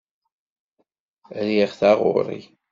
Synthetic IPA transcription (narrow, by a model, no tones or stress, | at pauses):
ɾjiʁθaʁʊ̰ɾˤḭ